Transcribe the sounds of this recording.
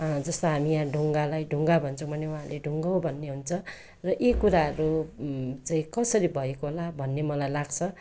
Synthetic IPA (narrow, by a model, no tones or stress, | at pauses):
d͡zʌst̪oɦamijãɖʱuŋɡalajɖʱuŋɡabʱʌnt͡sʰʌ̃bʱʌnewãɦãleɖʱuŋɡʌwbʱʌnːeɦunt͡sʰʌ | rʌʔekuɾaɦʌɾu | t͡saĩkʌsʌɾibʱʌekoɦolabʱʌnːemʌlajlaɡt͡sʰʌ